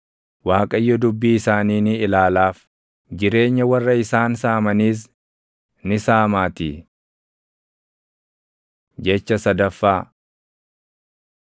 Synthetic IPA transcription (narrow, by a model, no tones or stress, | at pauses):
waːkʼɐjːɔd̪ʊbːiɪsaːniːnɪɪlaːlaːf | d͡ʒɪɾe̞ːɲːɐwɐrːɐɪsaːnsaːmɐniːs̬ | nɪsaːmaːt̪i | d͡ʒɛt͡ʃːɐsɐd̪ɐfːaː